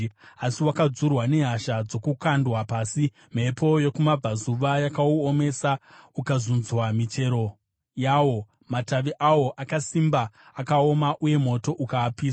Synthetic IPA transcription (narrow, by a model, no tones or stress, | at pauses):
asiwakad͡zurwane̞ɦaʃad͡zo̞kukandwapaːsi | m̤e̞po̞je̞kumab͡vazuʋajakauome̞saukazunzwamit͡ʃe̞ɾo̞ | jawo̞ | mataʋeʔawo̞ʔakasimbaːkao̞maʔuje̞mo̞to̞ʔukaːpiːsa